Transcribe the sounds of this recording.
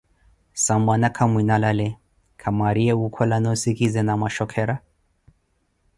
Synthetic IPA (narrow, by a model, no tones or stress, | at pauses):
sambanakʰamwinalalɛ | kʰamaɾiɛukʰɔlanɔsikizɛnamaʃɔkʰɛɾa